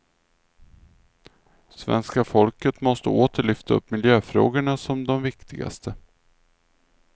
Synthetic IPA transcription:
svɛ̰nskafɔlkət̪mɔst̪ə̰oːt̪ʰəɭʏft̪aɵ̰pːmɪljøːfɾo̰ːɡəɳasɔmd̪ɔmvɪkt̪ɪɡa̰st̪ʰə

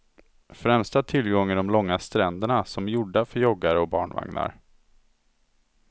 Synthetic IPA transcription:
fɾɛmst̪at̪ʰɪlɡɔŋːəd̪ɔmlɔŋːast̪ɾɛnd̪əɳasɔmjʊɖafœɾjɔɡːaɾɔbɑ̰ːɳva̰ŋna̰ɾ

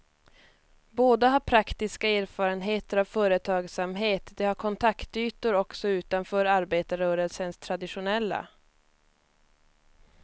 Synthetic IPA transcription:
boːd̪aɦaɾpʰɾakt̪ɪskaeːɾfɑːɾənɦeːt̪əɾavfœːɾət̪ʰɑːɡsamɦeːt̪d̪ɛhaɾkʰɔnt̪ʰakt̪yːt̪ʊɾɔksɔʉ̟ːt̪anfœːɾaɾbeːt̪aɾœːɾəlsənst̪ʰɾad̪ɪɧʊnɛlːa̰

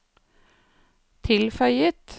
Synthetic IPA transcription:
t̪ʰɪlfœʏət̪

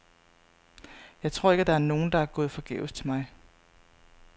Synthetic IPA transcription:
jɑ̈ɪt͡sʰʁo̝ɐ̰eɡ̥æd̥ɑ̈æɐno̝ːn̩d̥ɑ̈æɐɡ̥ɔ̽ːð̞̩ˠfɒ̽ɡ̥ḛːʊst͡sʰe̝lmɑ̈ɪ

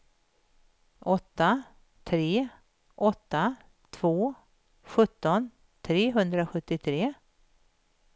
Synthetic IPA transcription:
ʔɔt̪ːa | t̪ʰɾeː | ʔɔt̪ːa | t̪ʰv̥oː | ɧɵt̪ːɔn | t̪ʰɾeːɦɵnd̪ɾaɧɵt̪ːɪt̪ʰɾeː

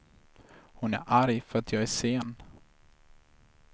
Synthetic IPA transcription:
hʊnæ̰ɾʔaɾjfœɾat̪ʰjɑːɡæʂeːn

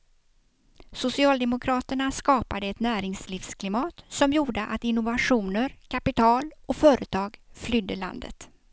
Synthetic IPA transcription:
sʊsɪɑːld̪ɛmʊkʰɾɑːt̪əɳaskɑːpad̪əɛt̪næːɾɪŋsliːfskʰlɪmɑːt̪sɔmjuːɖəʔat̪ɪnːʊvaɧuːnəɾkʰapɪt̪ʰɑːlɔfœːɾət̪ʰɑːɡflʏd̪ːəɭa̰nd̪ə̰t̪

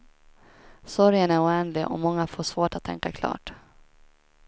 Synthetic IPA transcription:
sɔɾjənæɾʊɛːnlɪʔɔ̰mɔŋːafoːʂvoːʈat̪ʰːɛ̰ŋkakʰlɑ̰ːʈ

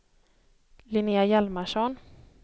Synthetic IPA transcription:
lɪniajalmaʂɔn

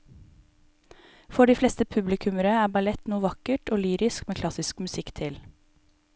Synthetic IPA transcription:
fɔɖiːflɛst̪əpʰʉblɪkʰʉməɾəæːbɑlɛt̪nuːʋɑkəʈoːlyːɾɪskmeːkʰlɑsɪskmʉsɪkt̪ʰɪl

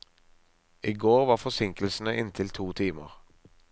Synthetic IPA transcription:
ʔiːɡoːʁʋɑːʁfɔsɪŋklsn̩əʔɪnt̪ʰɪlt̪ʰuːt̪ʰiːmə̰ʁ

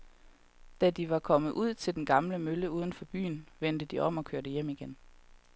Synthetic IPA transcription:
d̥æd̥iʋɑ̈kʰɒ̽məð̩ˠʔuð̞̰ˠt͡sʰe̝ld̥enɡ̥ɑ̈mləmøləuːð̞ˠn̩fɒ̽b̥y̰ːn̩ʋend̥əd̥iʔɒ̽m̰ɒ̽kʰøɐɾəjem̰iɡ̥en

